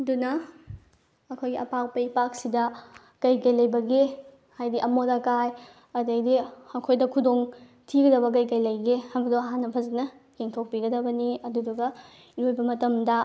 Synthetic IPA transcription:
dunɐ | ɐkʰojɡiʔɐpak̚pɐipak̚sidɐ | kɐjkɐjlɐjbɐɡe | hajdiʔɐmodɐkaj | ɐdɐjdiɐkʰojdɐkʰudoŋ | tʰiɡɐdɐβɐk̬ɐjkɐjlɐjɡehajbɐk̚doɐɦanːɐpʰɐzit̚nɐ | jeŋtʰok̚piɡɐdɐbɐniɐdudɐɡɐ | iojbɐmɐtɐmdɐ

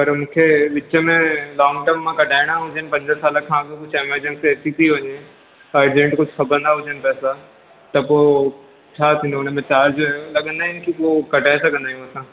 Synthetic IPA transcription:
pɐɾmũːkʰeʋɪt͡ɕəmẽlɔːŋɡʈəɾmːãkɐʈaːɪɽ̃aɦʊd͡ʑənɪpɐ̃ɲd͡ʑənsaːləkʰːãːkõkʊd͡ʑʰɛmeɾd͡ʑə̃nseeːt̪it̪iɦoɲe | ɐɾd͡ʑẽɳʈkʊd͡ʑʱxʰɐbə̃nd̪aɦʊd͡ʒənɪ̆pɛːsa | t̪ɐpo | t͡ɕʰaːt̪ʰĩːnd̪oʊnəmẽt͡ɕaːɾd͡ʒjolɐɠə̃nd̪aːɪnkipokɐʈaːɪsɐɡʱə̃nd̪aːjũɐsãː

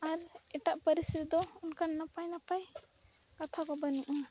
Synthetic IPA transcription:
aɾɛʈaʔpəɾisit̪d̪ɔunkannapajnapaj | kat̪ʰakɔbənuʔa

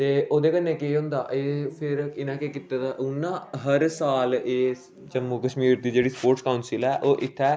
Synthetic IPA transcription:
t̪eːoːd̪eːkənːeːkeːɦʊ̃nd̪aːʔeːpʰɪɾɪnãːkeːkɪt̪ːad̪aːʔʊnːãːɦəɾsaːleː | d͡ʒəmukəʃmiːɾd̪iːd͡ʒeːɽiːspoːɾʈskaʊnsɪlɛːʔoːʔɪt̪ʰːɛː

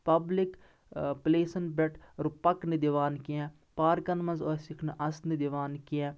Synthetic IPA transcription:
pɐblik | pleːsɐnbɛʈɾupɐknid̪iʋaːnkiɛ̃ | paːɾkɐnmɐnzoːsikʰnʔɐsnid̪iʋaːnkiɛ̃

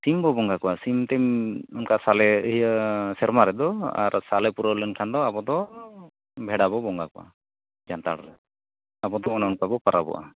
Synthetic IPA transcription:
simbɔbɔŋɡakɔʔasimt̪ɛmɔnkasalɛəɦijəsɛɾmaɾɛd̪ɔa̰ɾsalɛpuɾɔlənkʰand̪ɔabɔd̪ɔ | bʱɛɽabɔbɔŋɡakɔʔa̰ | d͡ʒant̪a̰ɽɾɛ | abɔd̪ɔɔnaɔnkabɔpaɾa̰bɔ̰ʔa̰

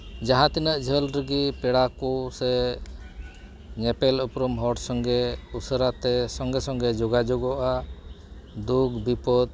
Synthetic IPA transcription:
d͡ʒaɦãt̪inəʔd͡ʒʱəlɾəɡipɛɽakusɛ | ɲɛpɛlɔpɾɔmɦɔʈsɔŋɡɛusəɾat̪ɛsɔŋɡɛsɔŋɡɛd͡ʒɔɡad͡ʒɔɡɔʔa | d̪ukbipɔd̪̚

